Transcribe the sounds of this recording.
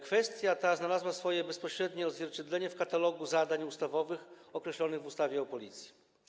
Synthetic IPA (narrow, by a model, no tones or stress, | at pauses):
kfɛst̪ʲjat̪aznalazwasfɔjɛbɛspɔɕɾɛd̪ɲɛɔzvʲjɛɾt͡ɕɛd̪lɛɲɛfkat̪alɔɡuzad̪aɲust̪avɔvɘxɔkɾɛɕlɔnɘɣvust̪avʲjɛɔpɔlʲit̪sʲji̥